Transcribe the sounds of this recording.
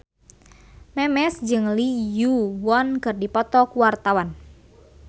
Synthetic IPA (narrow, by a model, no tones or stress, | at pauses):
mɛmɛsd͡ʒɨŋlijuwɔnkɨrdipɔt̪ɔkuwart̪awan